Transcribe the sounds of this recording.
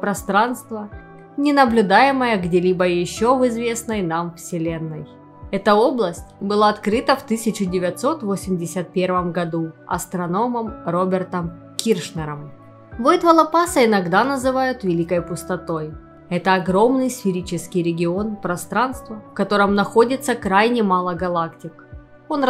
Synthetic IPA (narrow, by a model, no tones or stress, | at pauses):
pɾɐst̪ɾanst̪və | nʲɪnəblʲʉd̪ajɪməjəɡdʲelʲibəjɪɕːovɨzvʲe̞snəjnamfsʲɪlʲe̞nːəj | ɛt̪əo̞blˠəsʲtʲbɨlˠaɐt̪kɾɨt̪əft̪ɨsʲɪt͡ɕɪdʲɪvʲɪt̪so̞t̪vosʲɪmʲdʲɪsʲət̪̚pʲe̞rvəmɡɐd̪uɐ̰st̪ɾɐno̞məmro̞bʲɪrt̪əm | kʲirʂnʲəɾəm | vojt̪vɐlˠɐpasəɪnɐɡd̪anəzɨvajʊt̪vʲɪlʲikəjpʊst̪ɐt̪o̞j | ɛt̪əɐɡɾo̞mnɨjsfʲɪɾʲit͡ɕɪskʲɪjɾʲɪɡʲɪo̞npɾɐst̪ɾanst̪vəfkɐt̪o̞ɾəmnɐxo̞dʲɪt̪sːəkɾajnʲɪmalˠəɡɐlˠaktʲɪk | o̞n